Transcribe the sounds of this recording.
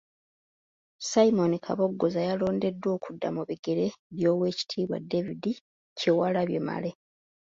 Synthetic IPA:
saimo̞nikʰaβo̞ɡːo̞zajalo̞ːnde̞dːwo̞ːkudːamuβiɡe̞ɾe̞βjo̞ːwe̞ːci̥tʰiːβwa̰de̞vidi | cewalaβjḛma̰le̞

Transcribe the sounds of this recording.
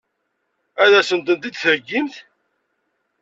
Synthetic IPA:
æðæsənd̪ənt̪id̪θəɾəɡːimθ

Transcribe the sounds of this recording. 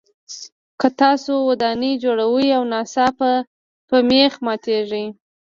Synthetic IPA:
kət̪ɑsowad̪ɑnid͡ʒoɽawəjawnɑsɑpə | pəmexmɑt̪eʐij

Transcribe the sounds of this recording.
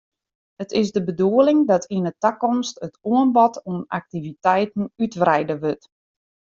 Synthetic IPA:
ətɪzdəbəduəlɪŋdɔtʰinətakɔmstətuənbɔtuəna̰k̚tivitɛjtn̩ytʋrɛjdəʋøt

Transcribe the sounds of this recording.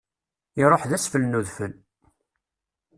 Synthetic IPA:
ɪɾˤoħðæsfəlnuðfən

